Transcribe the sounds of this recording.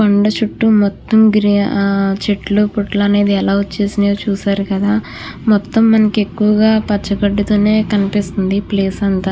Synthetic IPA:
koɳɖɐt͡ʃuʈːumɔt̪ːɐmɡɾiːt͡ʃeʈlupuʈlɐne̞ːd̪iɛlaːot͡ʃːe̞ːsinet͡ʃuːsaːɾukɐd̪aː | mɔt̪ːɐmːɐnɐkiekːuʋɐɡaːpɐt͡ʃːɐkɐɖːut̪uːne̞ːkɐnipist̪und̪ipleːsɐnt̪a

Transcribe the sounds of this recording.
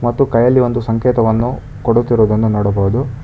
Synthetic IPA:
mɐt̪ːukɐjɐlːio̞nd̪usɐŋkɛːt̪ɐʋɐnːu | koɽut̪ːiɾoːd̪ɐnːunoːɽɐboʋud̪u

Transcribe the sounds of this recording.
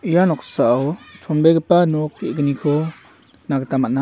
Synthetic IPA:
ijanɔkʰsaʔːwt͡ʃʰɔnbɛɡəpanɔkːiʔkənikʰɔ | naɡət̪amaʔna

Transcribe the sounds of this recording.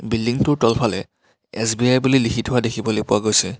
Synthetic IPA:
bildiŋtʊɹtɔlpʰalɛ̰ | ɛsbiajbulilikʰitʰɦʊadekʰibolojpʊwaɡojsɛ

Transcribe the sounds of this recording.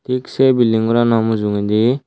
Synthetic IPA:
t̪iksebilːiŋɡuɾanamuzuŋend̪i

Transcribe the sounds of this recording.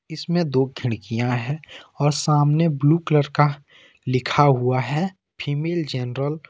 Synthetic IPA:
ɪsmẽd̪oːɡʱɪɽ̃kijãɦɛɔːɾsaːmnebluːkləɾka | lɪkʰaɦuaɦɛ | pʰiːmeːld͡ʒɛnɾəl

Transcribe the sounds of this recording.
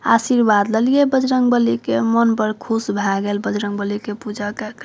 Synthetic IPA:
a̰siɾbad̪ləlijebəd͡ʒɾəŋɡbəlikemənpəɾkʰusbʱaɡelbəd͡ʒɾəŋɡbəlikepud͡ʒakek

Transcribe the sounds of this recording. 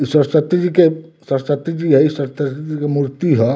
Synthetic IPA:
isɐɾsɐt̪d͡ʒike | sɐɾsɐt̪d͡ʒiɦɛisɐɾt̪d͡ʒikemuɾt̪iɦɛ

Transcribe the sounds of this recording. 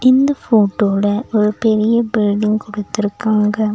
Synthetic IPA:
ɪnd̪ɐfoːʈːoːlɐʔɔɾɯpɛɾɪjɐbɪlɖɪŋɡkɔɽɯt̪ːɪɾɯkːaːŋɡɐ

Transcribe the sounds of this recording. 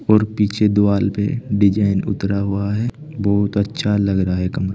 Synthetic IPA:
ɔːɾpiːt͡ʃʰed̪ʊwaːlpḛɖɪd͡ʒaːɪnʊ̰t̪ɾaɦuaɦɛ | bɔːɦʊt̪ɐtːʃʰalɐɡɾɐɦaɦɛkɐmɾ

